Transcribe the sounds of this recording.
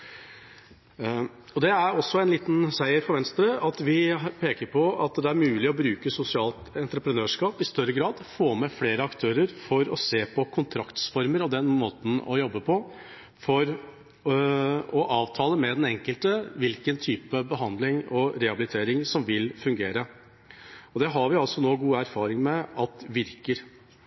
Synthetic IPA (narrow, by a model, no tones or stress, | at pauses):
ɔd̪ɛæɾɔsːɔɛnliːt̪n̩sæɪəɾfɔɾʋɛnst̪ɾəɑt̪ʋɪpʰeːkəɾpʰɔɑt̪d̪ɛæɾmʉːlɪɔbɾʉːkəsʊsɪɑːlt̪ɛnt̪ɾəpɾənøːʂkɑːpɪst̪œɾəɡɾɑːd̪foːmɛfleːɾəɑkt̪ʰøːɾəɾfɔɾɔseːpʰɔkʰʊnt̪ʰɾɑkt̪sfɔɾməɾɔd̪ɛnːmoːt̪n̩ɔ̰jɔbːəpʰɔ | fɔɾ | ɔʔɑːʋt̪ʰɑːləmɛd̪ɛnɛŋkəlt̪əʋɪlkənt̪ʰyːpəbəɦɑnd̪lɪŋɔɾɛhɑbɪlɪt̪ʰeːɾɪŋsɔmʋɪlfʉŋɡeːɾə | ɔd̪ɛɦɑɾʋɪɑlsɔnoːɡuːæɾfɑːɾɪŋmɛɑt̪ʋɪɾkəɾ